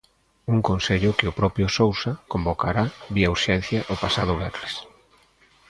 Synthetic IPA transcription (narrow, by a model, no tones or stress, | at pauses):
uŋkonseʎʊkɪʊpɾɔpɾjʊsowsakombokaɾaβiauɾʃɛn̟θjaʔopasaðʊβɛɾles